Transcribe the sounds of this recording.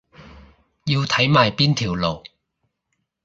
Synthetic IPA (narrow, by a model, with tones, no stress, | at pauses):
jiː˧wt̪ʰɐ˨˥jmaː˨˩jpiː˥nt̪ʰiː˨˩wlo˨˩w